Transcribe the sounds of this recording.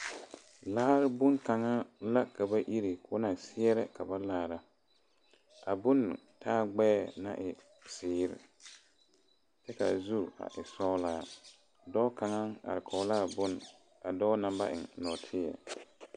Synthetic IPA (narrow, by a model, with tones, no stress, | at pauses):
laː˦ɾbʊ˦nka˨ŋa˦la˦ka˨ba˦ʔi˦ɾi˨kʰʊ˦na˨sɪ˦ɛ˦ɾɛ˦ka˨ba˦laː˨ɾa˦ | a˨bʊ˦n˨ | tʰaː˦ɡ͡bɛː˦˨na̰˦˨ʔɪ˨ | sɪː˨˦ɾɪ̰˨ | t͡ʃɛ˦ka̰˨zu˦˨a̰˨ʔɪ˨sɔ˦laː˦˨ | dɔ˦ka˨ŋa˦ŋa̰˨ɾɪ˨kʰɔ˨˦laː˦˨bʊ˦n | a˨dɔː˦na˨ba̰˦ʔɪ̰˨ŋnɔ˨tʰɪ˦ɛ̰˨